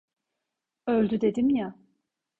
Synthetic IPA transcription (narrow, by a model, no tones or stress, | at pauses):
ølʲd̪yd̪e̞d̪imja